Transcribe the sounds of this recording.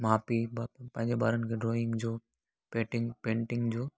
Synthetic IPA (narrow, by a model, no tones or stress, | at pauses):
maːpibapə̃ɦɪ̃ɲd͡ʑebaːɾənɪkʰeɖɾoːɪŋɡd͡ʑoː | pẽːʈɪŋpẽːɳʈɪ̃ŋɡd͡ʑoː